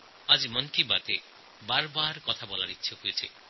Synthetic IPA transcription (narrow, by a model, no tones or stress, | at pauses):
ad͡ʒimɔŋkibat̪e | baɾɔbaɾkɔt̪ʰabɔlaɾit͡ʃʰiɦujet͡ʃʰi